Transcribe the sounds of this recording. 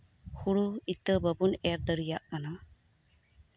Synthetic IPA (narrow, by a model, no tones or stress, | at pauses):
huɽuit̪əbəbunɛɾd̪əɾijaʔkana